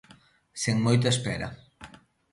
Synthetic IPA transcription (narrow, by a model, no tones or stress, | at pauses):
seŋmojt̪̬ɐespɛɾɐ̰